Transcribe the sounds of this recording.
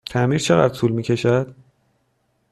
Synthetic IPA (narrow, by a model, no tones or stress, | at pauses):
t̪ʰæmiɾt͡ʃʰe̞ɣæ̰d̪ɾt̪ʰuːlmiːcʰe̞ʃæd̪̥